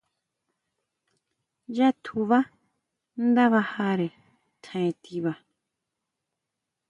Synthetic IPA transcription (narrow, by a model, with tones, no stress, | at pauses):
ja˦t̪ʰu˧˨βa˦ | n˦d̪a˦βa˧ha˦ɾe˨ | t̪ʰã˨ẽ˨t̪i˧βa˧